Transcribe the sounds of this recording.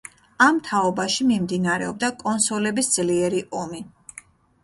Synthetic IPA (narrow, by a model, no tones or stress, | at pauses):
amt̪ʰaɔbaʃimimd̪inaɾɛ̰ɔb̚d̪akʼɔnsɔlɛbisd̪z̥liɛɾiʔɔmi